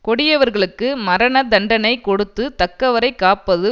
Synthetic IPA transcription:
kɔɽɪjɐʋɐɾɣɐɭɯkːɯmɐɾɐnɐd̪ɐɳɖɐnɐɪkɔɽɯt̪ːɯt̪ɐkːɐʋɐɾɐɪkːaːpːɐðɯ

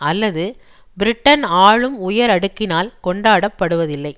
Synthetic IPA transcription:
ɐlːɐðɯ | bɪɾɪʈːɐnaːɭɯmʊjɐɾɐɽɯkːɪnaːlkɔɳɖaːɽɐpːɐɽɯʋɐðɪlːɐɪ

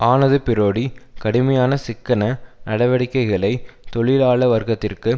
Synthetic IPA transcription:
ʔaːnɐðɯpɪɾoːɽikɐɽɯmɐjaːnɐsɪkːɐnɐnɐɽɐʋɐɽɪkːɐɪɣɐɭɐɪt̪ɔɭɪlaːɭɐʋɐɾɣɐt̪ːɪrkɯ

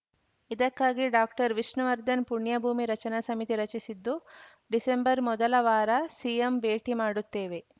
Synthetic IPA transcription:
id̪ɐkːaːɡiɖaːk̚ʈɐɾʋiʂnɐʋɐɾd̪ɐnpuɳjɐbʱuːmiɾɐt͡ʃɐnasɐmit̪iɾɐt͡ʃisid̪ːu | ɖisembɐɾmɔd̪ɐlɐʋaːɾɐsiembeːʈimaːɽut̪ːeːʋe

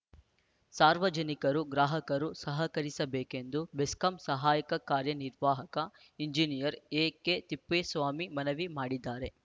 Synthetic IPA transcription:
saːɾʋɐd͡ʒɐnikɐɾuɡɾaːɦɐkɐɾusɐɦɐkɐɾisɐbɛːke̞nd̪ubeskɐmsɐɦaːjɐkɐkaːɾjɐniɾʋaːɦɐkɐ | iɲd͡ʒinijɐɾeːket̪ipːeːsʋaːmimɐnɐʋimaːɽid̪ːaːɾe̞

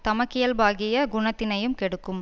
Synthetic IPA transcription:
t̪ɐmɐkːɪjɐlbaːɣɪjɐɡʊɳɐt̪ːɪnɐjɯmkɛɽɯkːɯm

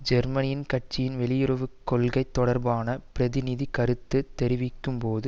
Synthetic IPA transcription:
d͡ʒɛɾmɐnɪjɪnkɐʈ̚t͡ʃɪjɪnʋɛlɪjɪɾɐʋɯkːɔlɣɐɪt̪ːɔɽɐɾbaːnɐpɪɾɐðɪnɪðikɐɾɯt̪ːɯt̪ːɛɾɪʋɪkːɯmpoːðɯ

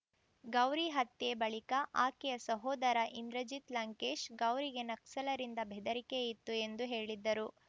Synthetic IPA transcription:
ɡɐwɾiɦɐt̪ːebɐɭikɐʔaːkɛjɐsɐɦɔːd̪ɐɾɐʔind̪ɾɐd͡ʒit̪lɐŋkeːʃɡɐwɾiɡe̞nɐksɐlɐɾind̪ɐbʱɛd̪ɐɾikeit̪ːue̞nd̪uɦe̞ːɭid̪ːɐɾu

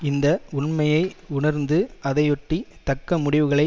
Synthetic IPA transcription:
ɪnd̪ɐʊɳmɐjɐɪʊɳɐɾnd̪ɯɐðɐjɔʈːit̪ɐkːɐmʊɽɪʋɯɣɐɭɐɪ

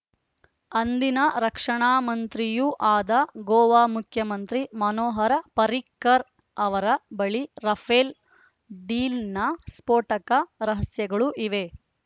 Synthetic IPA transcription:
ɐnd̪inɐɾɐkʂɐɳaːmɐnt̪ɾijuʔaːd̪ɐɡoːʋaːmukʰjɐmɐnt̪ɾimɐnoːɦɐɾɐpɐɾikːɐɾ | ɐʋɐɾɐbɐɭiɾɐpʰeːl | ɖiːlnɐspoːʈɐkɐɾɐɦɐsjɐɡɐɭuʔiʋe̞

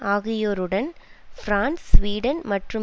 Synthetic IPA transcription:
aːɣɪjoːɾɯɽɐnfɾaːnsːʋiːɽɐnmɐʈrɯ

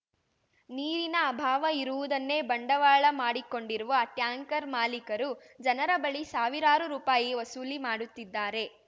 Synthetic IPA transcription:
niːɾinɐːbʱaːʋɐiɾuʋud̪ɐnːe̞bɐɳɖɐʋaːɭɐmaːɽiko̞ɳɖiɾuʋɐːʈjaːŋkɐɾmaːlikɐɾu | d͡ʒɐnɐɾɐbɐɭisaːʋiɾaːɾuɾuːpaːjiʋɐsuːlimaːɽut̪ːid̪ːaːɾe̞

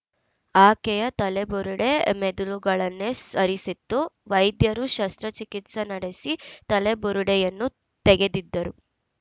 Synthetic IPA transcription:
aːkɛjɐt̪ɐlebuɾuɽemed̪uluɡɐɭɐnːesɐɾisit̪ːuʋɐjd̪jɐɾuʃɐst̪ɾɐt͡ʃikit̪sɐnɐɽe̞sit̪ɐlebuɾuɽejɐnːu | t̪eɡe̞d̪id̪ːɐɾu

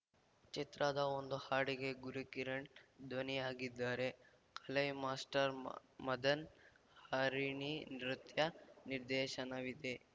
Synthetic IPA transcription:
t͡ʃit̪ɾad̪ɐond̪uhaːɽiɡe̞ɡuɾukiɾɐɳʈd̪ʋɐniaːɡid̪ːaːɾe̞ | kʰɐlɐjmaːsʈɐɾmɐd̪ɐn | haːɾiɳinɾut̪jɐniɾd̪ɛːʃɐnɐʋid̪e̞

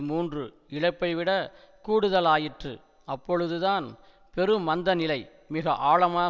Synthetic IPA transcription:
muːndrɯ | ɪɭɐɪpːɐɪʋɪɽɐ | kuːɽɯðɐlaːjɪʈrɯ̰ | ɐpːɔɻɯðɯðaːn | pɛɾɯmːɐnd̪ɐnɪlɐɪ | mɪɣɐʔaːɭɐmaː

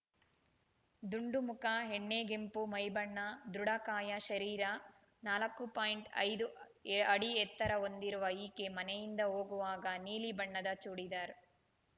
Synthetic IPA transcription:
d̪uɳɖumukɐɦeɳːeːɡempumɐjbɐɳːɐd̪ɾuɽɐkaːjɐʃɐɾiːɾɐ | naːlɐkːupaːjiɳʈɐ̰jd̪u | ɐɽiɛt̪ːɐɾɐo̞nd̪iɾuʋɐiːkemɐnɛjind̪ɐoːɡuʋaːɡɐniːlibɐɳːɐd̪ɐt͡ʃuːɽid̪aːɾ

